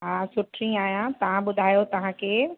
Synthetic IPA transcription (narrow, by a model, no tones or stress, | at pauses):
ɦãːsʊʈʰɾĩaːjãt̪ɐʋ̤ãɓʊd̪ʱaːjot̪ɐʋ̤ãkʰeː